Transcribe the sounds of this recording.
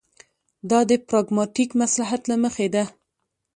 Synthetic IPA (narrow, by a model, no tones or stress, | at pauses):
d̪ɑd̪əpɾɑɡmɑʈikmaslaɦat̪laməxed̪a